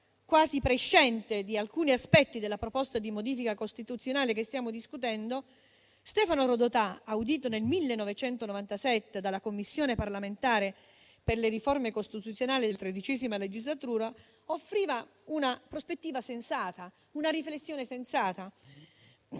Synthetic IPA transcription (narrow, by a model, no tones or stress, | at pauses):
kwaːzipɾeʃːɛnt̪ed̪ialkuːniaspɛt̪ːid̪elːapɾopɔst̪ad̪imod̪iːfikakost̪it̪ut̪sːjonaːlekest̪jaːmod̪iskut̪ɛnd̪o | st̪ɛːfanoɾod̪ot̪aawd̪iːt̪̬onelmilːenːovet͡ʃɛnt̪onovant̪asɛt̪ːed̪alakomːisːjoːneparlament̪aːɾe | perleriformekost̪it̪ut̪sːjonaːlid̪elt̪ɾed̪it͡ʃɛzimaled͡ʒizlat̪uːɾa | ofːɾiːva | unapɾospet̪ːiːvasensaːt̪a | unaɾiflesːjoːnesensaːt̪a